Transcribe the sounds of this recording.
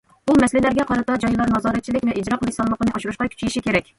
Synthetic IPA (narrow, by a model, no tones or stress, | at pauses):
umɛslɪlæɾɡʲɛqʰɑɾɨt̪ɑd͡ʒɑjlˠɑɾnɑzɑːɾɛt̪̚t͡ʃʰilɪkʲvɛʔid͡ʒɾɑqʰəlˠɨʃsɑlˠlːˠəqʰənɨʔɑʃuɾuʃqɑkʲʰy̥t͡ʃʰijiʃikʲeɾɛkʲ